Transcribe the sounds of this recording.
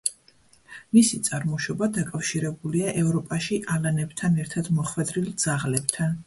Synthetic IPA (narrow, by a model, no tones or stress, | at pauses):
misit̪sʼaɾmɔʃɔbad̪akʼafʃiɾɛbuliaʔɛvɾɔpʼaʃiʔalanɛbt̪ʰanɛɾt̪ʰad̪mɔχwɛd̪ɾild̪z̥aʁlɛb̥t̪ʰan